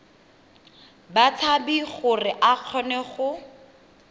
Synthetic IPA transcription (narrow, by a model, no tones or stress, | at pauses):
bat͡sʰabiχʊrɪʔaq͡χʰɔnɛχʊ